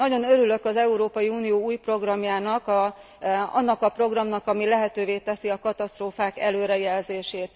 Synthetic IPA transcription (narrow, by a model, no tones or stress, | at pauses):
nɒɟo̞nøɾylø̞kɒzɛuɾoːpɒjiuːnijoːuːjpro̞ɡrɒmjaːnɒk | ɒ̰nːɒkɒpro̞ɡrɒmnɒkɒmilɛɦɛt̪øːveːt̪ɛsiɒkɒt̪ɒst̪roːfaːkɛ̰løːɾɛjɛlzeːʃeːt̪